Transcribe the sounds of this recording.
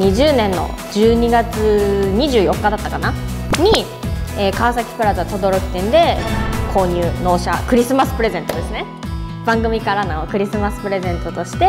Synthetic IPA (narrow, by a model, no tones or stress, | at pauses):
iʑɨːnẽ̞nːo̞̰ | d͡ʑɨːɲ̟iɡat͡sɨɲ̟iʑɨːjo̞kːad̪at̪ːakanaɲ̟i | eːkaβsakʲi̥pɯ̟ɾazɨat̪o̞d̪o̞ɾo̞kʲi̥t̪ẽ̞nd̪e̞kʰo̞ːɲ̟ʲɯːno̞ːɕa̰kɯ̟ɾʲisɨmasɨ̥pɯ̟ɾe̞zẽ̞nt̪o̞d̪e̞sɨne̞ | b̥ãŋɡɯ̟mʲikaɾanaokɯ̟ɾʲisɨmasɨ̥pɯ̟ɾe̞zẽ̞nt̪o̞t̪o̞ɕi̥t̪e̞